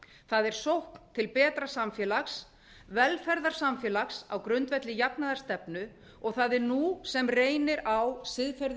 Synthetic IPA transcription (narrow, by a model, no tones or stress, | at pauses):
θaðɛɾ̥sowhkn̥t̪ʰɪlpɛːt̪ɾasamfjɛːlaxs | vɛlfɛɾðaɾ̥samfjɛːlaxsawkɾʏnt̪vɛt̪lɪjapnaðaɾ̥st̪ɛpnʏ | ɔɣθaðɛɾnusɛmreːjnɪɾawsɪðfɛɾð